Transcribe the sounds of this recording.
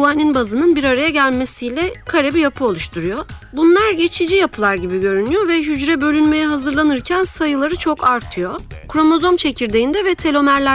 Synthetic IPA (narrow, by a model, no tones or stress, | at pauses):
uaninbazɯnɯnbiɾaɾajaɟælʲme̞sijlʲɛkʰaɾebijapʰɯo̞lˠuʃt̪ʰuɾujo | bunlˠaɾɟe̞t͡ʃʰid͡ʒijapʰɯlˠaɾɟibiɟø̞ɾynyjo̞vɛɦyd͡ʒɾɛbø̞lʲynme̞jɛɦazɯɾlˠanɯɾcʰænsajɯlˠaɾɯt͡ʃʰo̞kaɾt̪ʰɯjo̞kɾo̞mo̞zo̞mt͡ʃʰe̞cʰiɾd̪ejind̪ɛvɛt̪ʰe̞lʲo̞mæɾlʲæ